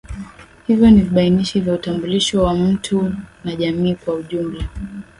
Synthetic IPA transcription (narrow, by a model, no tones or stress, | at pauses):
hivjɔniviɓainiʃivjautambuliʃɔwam̩tʰunaʄamiːkwauʄumla